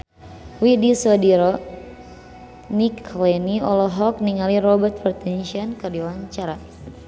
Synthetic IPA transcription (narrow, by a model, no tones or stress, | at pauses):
widisɔdiɾɔ | nikʰlɛniɔlɔɦɔk̚niŋaliɾɔbərt̪̚fərt̪ɛnʃiɔnkɨrdiwaɲt͡ʃaɾa